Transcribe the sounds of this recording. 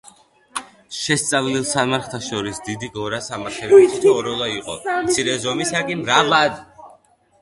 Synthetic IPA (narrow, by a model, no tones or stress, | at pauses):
ʃɛst̪sʼavlilˠsamaɾχt̪ʰaʃɔɾisd̪id̪iɡɔɾasamaɾtʰɛbiɔɾɔlˠaiqʼɔ̰t̪sʰiɾɛzɔmisakʼɛmɾavad̪